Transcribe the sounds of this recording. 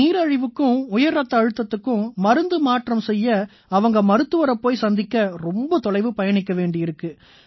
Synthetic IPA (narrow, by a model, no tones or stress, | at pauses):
iːɾɐɻɪʋɯkːɯ̃ʊjɐɾɾɐt̪ːɐːɻɯt̪ːɐt̪ːɯkːɯ̃mɐɾɯnd̪ɯmaːʈrɐmsɛjːɐ | ɐʋɐŋɡɐmɐɾɯt̪ːɯʋɐɾɐpːoːjsɐnd̪ɪkːɐɾɔmbɐt̪ɔɭɐɪʋɯpɐjɐɳɪkːɐʋeːɳɖɪɪɾɯkːɯ